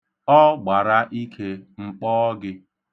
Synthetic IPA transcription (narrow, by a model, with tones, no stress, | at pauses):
ɔ˦ɡ͡ba˨ɾa˦ʔi˦kʰe˦ŋ͡m̩˦k͡pɔː˦ɡɪ˦